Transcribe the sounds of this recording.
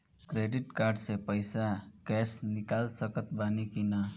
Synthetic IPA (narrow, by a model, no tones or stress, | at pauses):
kɾeɖiʈkaɾɖsepəjsaɡ̥ɛsnikalsəkət̪banikinə